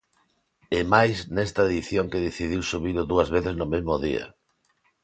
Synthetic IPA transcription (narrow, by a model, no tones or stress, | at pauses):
ɛmajsnɛst̪aeðiθjoŋkeðeθiðiwsuβiɾʊðuɐzβeθɪznʊmezmʊðḭɐ̰